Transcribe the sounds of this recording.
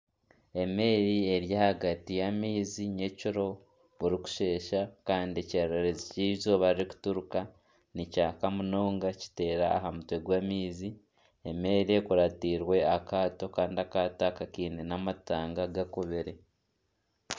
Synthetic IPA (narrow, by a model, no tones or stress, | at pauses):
e̞me̞ːɾie̞ɾjahaɡatijamiːziɲeciɾo̞ | βuɾiku̥ʃe̞ːʃakaːndieceɾeɾeziciːzo̞βaɾiɾiku̥tuɾuka | nicaːkamunoːŋɡaci̥te̞ːɾaːɦamutwe̞ɡwamiːzi | eme̞ːɾie̞kuɾatiːɾwe̞akaːto̞kaːndiakaːtakakiːnenamataːŋɡaɡakoβeɾe̞